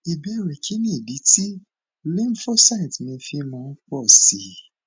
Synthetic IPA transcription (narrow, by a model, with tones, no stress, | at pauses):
e˨be˦˨ɾe˨kʰi˦nĩ˦e˨di˨˦ti˦ | li˦m˦fo˦sa˦˨tmĩ˧fĩ˧mɔ̃˨˦k͡pɔ˦˨si˨